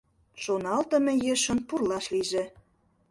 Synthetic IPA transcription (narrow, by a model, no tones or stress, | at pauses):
ʃonɑlt̪ə̆mĕjeʃə̆npurlɑʃliʒĕ